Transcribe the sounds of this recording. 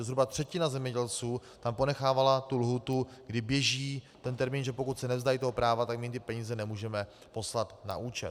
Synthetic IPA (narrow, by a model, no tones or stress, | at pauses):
zɦɾubat̪r̝̥ɛcɪnazɛmɲɛɟɛlt͡suːt̪ampo̞nɛxaːvalat̪ulɦuːt̪uɡdɪbjɛʒiːt̪ɛnt̪ɛɾmiːnʒɛpo̞kut̪sɛnɛvzd̪ajit̪oɦopɾaːvat̪akmɪnt̪ɪpɛɲiːzɛnɛmuːʒɛmɛ | po̞slat̪na̰ʔuːt͡ʃɛ̰